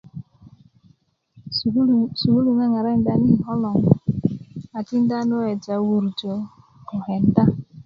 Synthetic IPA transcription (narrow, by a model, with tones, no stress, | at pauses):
su˨wu˦lu˨na˦ŋa˨ɾa˦n̩˦da˦ni˦ɦɔ˦lɔ˨ŋ˦ | a˨ti˦n̩˦da˦no˦e˨d͡ʒa˨wu˨ɾu˨d͡ʒo˨ | ɔ˨ɦɛ˨n̩˦da˦